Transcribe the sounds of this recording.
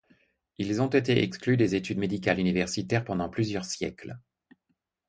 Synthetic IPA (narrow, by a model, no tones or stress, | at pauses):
ilzɔ̃t̪et̪eʔɛ̰ksklyd̪ezet̪yd̪med̪ikalynivɛʁsit̪ɛʁpɑ̃d̪ɑ̃plyzjœʁsjɛ̰kl